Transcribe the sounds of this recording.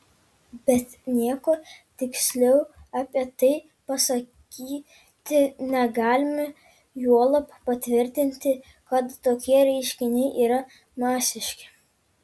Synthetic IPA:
b̥ʲɛt̪nʲiɛkoːt̪ʲɪksʲlʲɛʊɑːpʲiɛt̪ɐɪ | pɐsɐkʲiː | t̪ʲɪnʲɛɡɑːlʲɪmʲɛ | juɔlˠɐppɐt̪ʲʋʲɪɾʲt̪ʲɪnʲt̪ʲɪ | kɐt̪ːoːkʲiɛɾʲɛɪʃʲkʲɪnʲɛɪʔiːɾɐ | mɑːsʲɪʃʲkʲɪ

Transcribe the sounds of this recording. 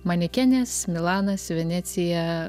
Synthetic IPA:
mɐnʲɪkʲænʲɛsmʲɪlˠɑːnɐsʋʲɛnʲæt̪sʲɪjɛ

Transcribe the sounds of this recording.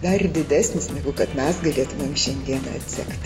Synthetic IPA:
d̪ɐd̪ʲɪd̪ʲæːsʲnʲɪsnʲɛːɡʊkɐt̪mʲɛsɡɐlʲeːt̪ʊmʲeːmʃʲɛnʲd̪ʲiɛnɐ̰ɐt̪ʲsʲɛ̰ktt̪ʲ

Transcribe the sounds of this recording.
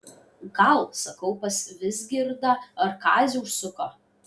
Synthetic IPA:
ɡɐlˠsɐkɐʊpɐsʋʲɪzɡʲɪɾd̪ɐɐɾkɑːzʲɪʊʃsʊko

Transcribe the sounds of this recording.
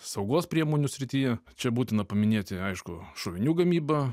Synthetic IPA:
sɐʊɡoːspʲɾʲiɛmoːnʲʊsʲɾʲɪt̪ʲijɛt͡ʃʲɛbuːt̪ʲɪnɐpɐmʲɪnʲeːt̪ʲɪɐɪʃkʊʃoːʋʲɪnʲuːɡɐmʲiːbɐ

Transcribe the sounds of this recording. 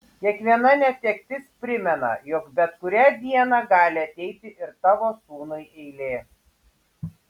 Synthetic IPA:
kʲiɛkʋʲiɛnɐnʲɛt̪ʲɛkʲt̪ʲɪspʲɾʲɪmʲɛnɐ̰jɔːkbʲɛt̪kʊɾʲæːd̪ʲiɛnɑɡɑːlʲɪɐt̪ʲɛɪt̪ʲɪʔɪɾt̪ɑːʋoːsuːnɐɪʔɛɪlʲeː

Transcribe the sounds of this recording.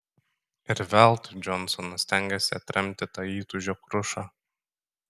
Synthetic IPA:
ɪɾʋʲɛˑlˠt̪ʊd͡ʒʲɔnsɔnɐsʲt̪ʲɛŋʲɡʲɛsʲɪɐt̪ʲɾʲʔɛmʲt̪ʲɪt̪ɑiːt̪ʊʒʲokɾʊʃɑ

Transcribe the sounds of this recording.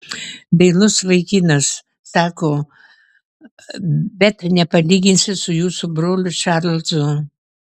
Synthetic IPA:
bʲɛɪlˠʊsʋɐɪkʲiːnɐsː | ɑːkoː | bʲɛt̪nʲɛpɐlʲiːɡʲɪnʲsʲɪsʊjuːsʊbɾoːlʲʊʃɑɾlˠʲt̪zʊ

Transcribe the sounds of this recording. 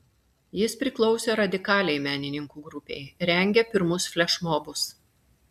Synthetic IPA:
jɪspʲɾʲɪklˠɔʊsʲɛɾɐd̪ʲɪkɑːlʲɛɪmʲæːnʲɪnʲɪŋkuːɡɾʊpʲɛ̰ɪɾʲɛŋʲɡʲɛpʲɪɾmʊsfʲlʲɛʃmobʊs

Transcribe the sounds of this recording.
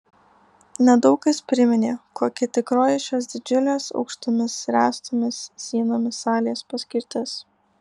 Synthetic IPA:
nʲɛd̪ɒʊkɐspʲɾʲɪmʲɪnʲeːkoːkʲɪt̪ʲɪkɾoːjɪʃʲoːs̬d̪ʲɪd͡ʒʲʊlʲeːsɒ̰ʊkʃt̪ʊmʲɪsɾʲæːst̪ʊmʲɪsːʲiːnoːmʲɪsɑːlʲeːspɐsʲkʲɪɾʲt̪ʲɪs

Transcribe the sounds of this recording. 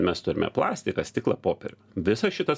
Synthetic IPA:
mʲɛst̪ʊɾʲɪmʲɛ̰plˠɑːsʲt̪ʲɪkɐsʲt̪ʲɪklˠɐpoːpʲɛɾʲʊ | ʋʲɪsɐsʃʲɪt̪ɐs

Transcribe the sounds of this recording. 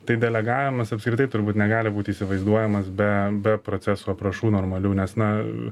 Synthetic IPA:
t̪ɐɪd̪ʲɛlʲɛɡɑːʋʲɪmɐsɐpskɾʲɪt̪ɐɪt̪ʊɾbuːt̪nʲɛɡɑːlʲɪbuːt̪ʲiːsʲɪʋɐɪzd̪uɔjɛmɐsbʲɛbʲɛpɾoːtt͡s̪ʲæsoːɐpɾɐʃuːnoːɾmɐlʲuːnʲɛsnɐ

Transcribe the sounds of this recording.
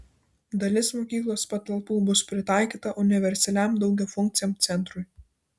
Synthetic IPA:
d̪ɐlʲɪsmoːkʲiːklˠoːspɐt̪ɐlˠpuːbʊspʲɾʲɪt̪ɑˑɪkʲiːt̪ɐʔʊnʲɪʋʲɛɾʲsʲɛlʲæˑmd̪ɒʊɡʲɛfʊŋʲk̚ʲt̪sʲɪjoːˑmt̪sʲɛnt̪ɾʊj

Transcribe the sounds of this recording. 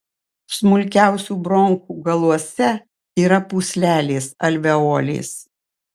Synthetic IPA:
smʊlʲkʲæˑʊsʲuːbɾɔŋkuːɡɐlˠuɔsʲɛ | iːɾɐpuːsʲlʲæːlʲeːsɐlʲʋʲɛoːlʲḛːs

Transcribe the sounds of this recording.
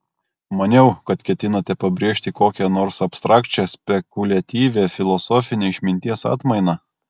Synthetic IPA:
mɐnʲɛʊkɐt̪kʲɛt̪ʲɪnɐt̪ʲɛpɐbʲɾʲiːʃʲt̪ʲɪkoːkʲɛnoːɾsɐpʲst̪ɾɑːkt͡ʃʲɛsʲpʲɛkʊlʲɐt̪ʲiːʋʲeːfʲɪlˠɔsoːfʲɪnʲeːɪʃʲmʲɪnʲt̪ʲiɛsɑ̰ːt̪mɐɪnɑː

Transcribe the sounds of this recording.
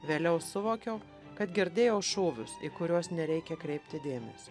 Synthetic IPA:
ʋʲeːlʲɛʊsʊʋoːkʲɛʊ | kɐt̪ɡʲɪɾʲd̪ʲeːjɛʊʃoːʋʲʊ̰sḭːkʊɾʲuɔsnʲɛɾʲɛɪkʲɛkɾʲɛɪpʲt̪ʲɪd̪ʲeːmʲɛsʲi

